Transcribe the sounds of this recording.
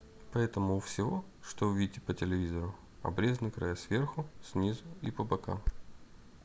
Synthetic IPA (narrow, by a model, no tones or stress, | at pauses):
pɐɛt̪əmʊːfsʲɪvo̞ | ʂt̪oʊvʲidʲɪtʲːɪpətʲɪlʲɪvʲizəɾʊ | ɐ̰bɾʲe̞znɨkɾʔɐ̰jasvʲe̞rxʊsʲnʲizʊipəbɐka̰m